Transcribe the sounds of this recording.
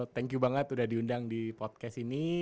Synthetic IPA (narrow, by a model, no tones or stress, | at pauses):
t̪ɛŋkjubaŋət̪udahdiundaŋdipɔt̪̚kɛsini